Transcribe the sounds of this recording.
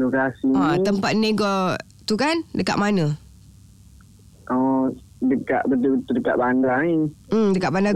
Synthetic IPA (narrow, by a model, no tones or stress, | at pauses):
lokasiat̪əmpat̪̚neɡɔ | t̪ukandəka̰ʔmanə̃ | ʔɔ | dəka̰ʔbədubət̪udəka̰ʔbandaim̩dəkaʔbanda